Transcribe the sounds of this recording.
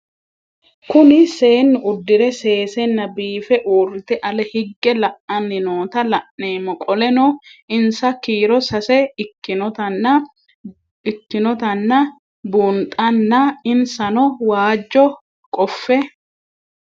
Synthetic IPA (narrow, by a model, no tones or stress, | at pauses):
kʊnɪse̞ːnːʊʔʊd̪ːɪɾɛse̞ːsɛnːɐbiːfɛʔuːrɪt̪ɛʔɐlɛhɪɡːɛlɐʔɐnːɪnoːt̪ɐlɐʔneːmɔkʼɔlɛnɔɪnsɐkiːɾɔsɐsɛɪnɔt̪ɐnːɐ | ɪkːɪnɔt̪ɐnːɐ | bʊnt̪ʼɐnːɐɪnsɐnɔwaːd͡ʒːɔ | kʼɔfːɛ